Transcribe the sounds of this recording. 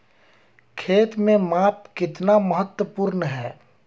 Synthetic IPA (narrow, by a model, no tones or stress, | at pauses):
kʰeːt̪mẽmaːp̚kɪt̪naməɦət̪wəpuɾnɦɛː